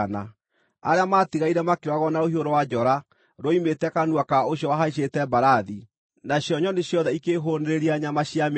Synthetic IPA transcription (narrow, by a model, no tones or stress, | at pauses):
na̰ | a̰ɾeamaːtiɣaiɾɛmakeɾwaɣɔnaohioɾowad͡ʒɔɾa | ɾoimetɛkanwakaoɕjɔwaɦaiɕ̬etɛbaɾaði | naɕjɔɲɔneɕjɔðɛikeɦoneɾeɾiaɲamaɕiam